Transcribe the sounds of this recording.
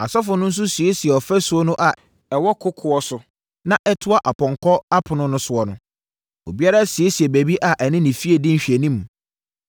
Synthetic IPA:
a˨sɔ˦fʊ˨nʊ̃˦n̩˦s̬ʊ˦si˨e˦si˨ɛ˨ɔ˨fæ˦sʊ˨˦ɔ˦nʊ̃˦ʔa˨ | ɛ˨wɔ˦kʰʊ˦kʰʊ˨ɔ˦sʊ˦ | nã˦ʔɛ˦tʰʊ˦a˦ʔa˨pɔ̃˨ŋkʰɔ˦a˦pʰʊ˨nʊ̃˦nʊ̃˦sʊ˨ɔ˨nʊ̃˦ | o̰˨bi˦a˦ɾa˦si˨e˦si˨ɛ˨bæ˨bi˦ʔa˨ʔɛ˨nɪ̃˦nɪ̃˨fi˦e˨dɪ̃˦n̩˦ɕᶣe˨nĩ˦m˨

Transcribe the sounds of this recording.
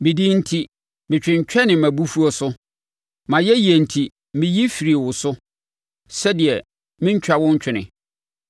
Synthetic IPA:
mɪ̃˨di˦n̩˦tʰi˦ | mɪ̃˨t͡ɕᶣɪ̃˨ɲ̩˨t͡ɕᶣɛ˦nɪ̃˨mæ̃˨bu˦fu˦ɔ˦sʊ˦ | mã˨jɛ˦ji˨e˨n̩˨tʰi˨ | mɪ̃˨ji˦fi˨ɾi˨e˨wʊ˨sʊ˦ | sɛ˦dɪ˨ɛ˨ | mɪ̃˦ɲ̩˦t͡ɕᶣa˦wʊ̃˦ɲ˦t͡ɕᶣʰɪ˨nɪ̰̃˨

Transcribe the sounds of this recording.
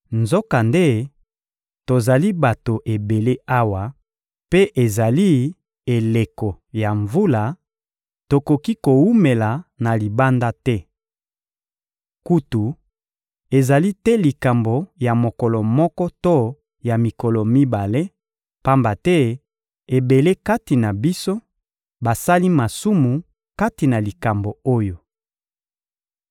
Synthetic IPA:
nzo˦ka˨nde˦ | to˨za˨li˦ba˨to˨ʔe˨be˨le˦ʔa˦wa˨ | pe˦ʔe˨za˨li˦ | e˨le˨kɔ˨ | ja˨ɱvu˦la˨ | to˨ko˨ki˦ko˨wu˦me˨la˨na˨li˨ba˦nda˦tɛ˦ | ku˦tu˨ | e˨za˨li˦tɛ˦li˨ka˨mbo˨ja˨mo˨kɔ˨lɔ˨mɔ˦kɔ˦to˦ | ja˨mi˨kɔ˨lɔ˨mi˦ba˨le˦ | pa˦mba˨tɛ˦ | e˨be˨le˦ka˦ti˨na˨bi˦so˦ | ba˨sa˦li˦ma˨su˦mu˨ | ka˦ti˨na˨li˨ka˨mbo˨o˦jo˨

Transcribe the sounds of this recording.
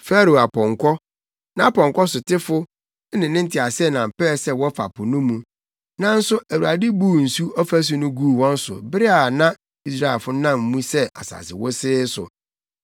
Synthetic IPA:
fɛ˦ɾo˨a˨pʰɔ̃˨ŋkʰɔ˦ | nã˦a˦pɔ̃˨ŋ˨kɔ˦sʊ˨tʰɪ˦fʊ˦ | nɪ̃˨nɪ̃˦n̩˦tʰɪ˨a˨sɛ˦˨nã˨m̩˨pɛː˦˨sɛ˦wɔ˦fa̰˨pʰʊ˨nũ˦mũ˨ | nã˦n̩˦sʊ˦ʔæ˨wu˨a˨dɪ˦buː˦˨n̩˨su˦ɔ˦fæ˦s̬ʊ˦nʊ̃˦ɡu˦˨wɔ̃˦n̩˦sʊ̰˨bɪ˦ɾɪ˦a˨nã˦ | i˦sɾa˦˨ɛ˨fʊ˦nã˦˨m̩˨mũ˦sɛ˦ʔa̰˨sa̰˨sɪ̰˨wɔ˦sɪː˦sʊ̰˨

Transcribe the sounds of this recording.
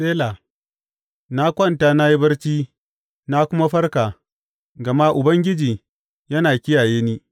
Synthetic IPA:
seː˦la˨ | na˦kʷɐ˦˨ntaː˦na˦ji˦bɐ˦rt͡ʃiː˦ | na˦kʷʊ˦ma˦ɸɐ˦rka˨ | ɡɐ˨ma˦ʔʊ˨bɐ˦ŋɡʲɪ˦d͡ʒiː˨ | jɐ˦naː˨kʲɪ˦jaː˨jeː˦niː˦

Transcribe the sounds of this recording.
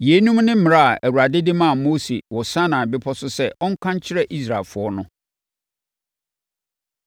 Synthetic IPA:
je˨˦nũ˦mnɪ̃˦m̩˦m̃˨a˦a˨ʔæ˨wu˨ɾa˨dɪ˦dɪ˦mã˦˨mo˦sḛ˨wɔ˨sã˦nã˨bɪ˦pʰɔ˦sʊ˦sɛ˦ʔɔ˦ŋ̩˦kʷʰã˦ɲ˦t͡ɕʰɪ˦ɾɛ˦ʔi˦sɾa˨lfʊ˨ɔ˦nʊ̃˦

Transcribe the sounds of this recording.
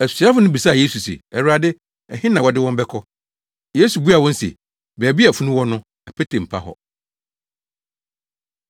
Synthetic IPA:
æ˨si˨˦a˦fʊ˦nʊ̃˦bi˨sa˦˨je˦su˨sḛ˨ɛ˨wa˨dɪ˦ | ɛ˨hɪ̃˦nã˨wɔ˨dɪ˦wɔ̃˦m˦bɛ˦kʰɔ˦ | je˦su˨bu˦a˨wɔ̃˦n̩˦sḛ˨ | bɛː˨bi˦æ˨fu˦nʊ̃˦wɔ˦nʊ̃˦ | ɛ˨pʰɛ˦tʰẽ˨m̩˨pʰa̰˦ɦɔ̰˨

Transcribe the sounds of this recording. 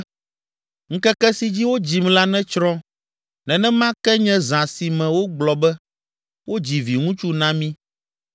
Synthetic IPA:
ŋ̩˦kɛ˦kɛ˦si˨d͡ʑi˦wo˦d͡ʑi˨mla˦nɛ̃˦t͡ʃɾɔ̃˦ | nɛ̃˨nɛ̃˦mã˦kɛ˦ɲɛ̃˦zã˨si˨mɛ̃˨wo˦ɡ͡blɔ˨bɛ˦ | wo˦d͡ʑi˨vi˨ŋũ˦t͡ʃu˦nã˦mĩ˦

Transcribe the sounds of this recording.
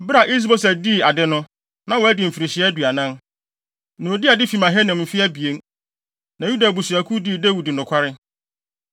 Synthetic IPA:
bɾa˨ʔi˦s̬bo˦s̬ɛ˨di˦˨a˨dɪ˦nʊ̃˦ | nã˨wɔ˨˦æ˦dɪ˨m̩˨fi˨ɾɪ˨ɕɪ˦ɛ˦du˨a˨nã˦n | nʊ̃˨di˦a˨dɪ˦fi˨mã˨ɦɛ˦nɪ̃˨mm̩˨fɪ˦æ˦bi˨e˦n | nã˨ju˦da˨bu˨su˨a˨kʰu˦di˦˨dæ˦wi˨di˨nʊ̃˨kʷʰa˦ɾɪ˦

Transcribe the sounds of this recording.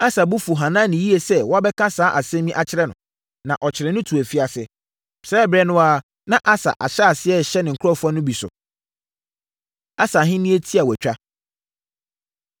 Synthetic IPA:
a˦sa˨bʊ˦fu˨ɦã˨nã˦nɪ̃˨ji˦e˨sɛ˦wɔ˦a˦bɛ˦kʰã˦saː˦ʔa˨sɛ̃˦mĩ˦ʔa˨t͡ɕʰɪ˦ɾɛ˦nʊ̰̃˨ | nã˨ʔɔ˨t͡ɕʰɪ˨ɾɛ˨nʊ̃˦tʰu˨æ˨fi˦a˨sɪ˦ | sɛː˦bɾɛ˦nʊ̃˦aː˦ | nã˦ʔa˦sa̰˨ʔa̰˨ɕɛ˦a˨sɪ˦ɛ˦˨ɕɛ˦nɪ̃˨ŋ̩˨kʰʊ˦ɔ˦fã˦nʊ̃˦bi˨sʊ̰˨ | a˦sa˨ɦɪ̃˦nĩ˦e˦tʰi˦a˨wæ˨t͡ɕᶣa˦

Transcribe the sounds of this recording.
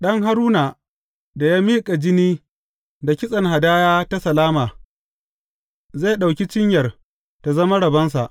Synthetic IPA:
ɗɐ˦ŋɦa˦ɾuː˦naː˨ | da˨jaː˦miː˦kʼa˨d͡ʒɪ˦niː˦ | da˨kʲɪ˦sʼɐ˨ŋɦa˨daː˦jaː˦ta˦sɐ˨laː˦maː˨ | zeː˦˨ɗa˨wkʲi˦t͡ʃɪ˦ɲjɐ˨r | ta˨zɐ˦ma˦ɽɐ˨bɐ˦ns̬a̰˨ʔ

